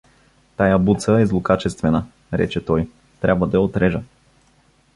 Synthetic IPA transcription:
t̪ajabut̪səɛzlˠokat͡ʃɛst̪vɛnə | ɾɛ̰t͡ʃɛt̪ɔj | t̪ɾʲabvəd̪ɐjɛot̪ɾɛʒə

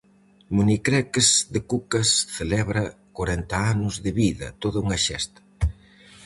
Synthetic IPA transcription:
munikɾɛkezðɪkukɐsθelɛβɾɐkoɾɛnt̪ɐanʊzðɪβiðɐ̰t̪oðauŋɐʃɛst̪ɐ̥

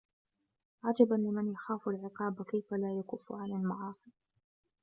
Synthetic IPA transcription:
ʕad͡ʒabanlɪmanjaxaːfalʕɪqɑːbkajfalaːjakʊfːʊ̰ʕanalmɑʕɑːsˤɨ

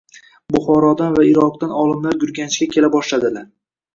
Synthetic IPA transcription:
bʊχɒɾɒd̪anvaɪɾɒqt̪anɒlˠɪmlaɾjʊɾɡʲanɪt͡ʃkʲakʲʰe̞labɒʃlad̪ɪlaɾ

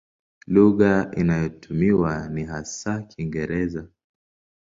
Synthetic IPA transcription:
luɣainajɔtʰumiwaniɦasakʰiŋɡɛɾɛza

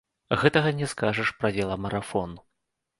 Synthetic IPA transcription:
ɣɛt̪ɐɣɐnʲɛskaʐɐʂpɾad͡zʲɛlˠɐmɐɾafɔnu

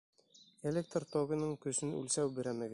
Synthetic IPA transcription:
elʲek̚t̪rt̪oɡʲɤ̆nɤɴkɵ̆sɘnʉ̰lsæwbɘ̆ɾæmæɡ

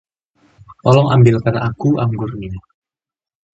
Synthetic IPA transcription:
ɔlɔŋʔambɪlkanaʔakuʔaŋɡurnia

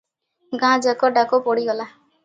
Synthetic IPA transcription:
ɡãd͡ʒakɔɖakɔpɔɽiɡɔla

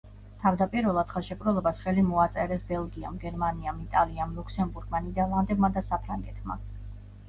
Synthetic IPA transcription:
t̪ʰavd̪apʼiɾvɛlˠad̪χɛlˠʃɛkʼɾɛlˠɔbasχɛlimɔat̪sʼɛɾɛsbɛlˠɡia̰mɡɛɾmaniamit̪ʼaliamlˠukʰsɛmbuɾɡ̥manid̪ɛɾlˠand̪ɛbmad̪asapʰɾaŋɡɛt̪ʰma̰

